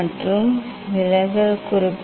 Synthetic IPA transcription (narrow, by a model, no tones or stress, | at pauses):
ɐʈrɯm | ʋɪlɐɪɣɐɭkʊrɪpː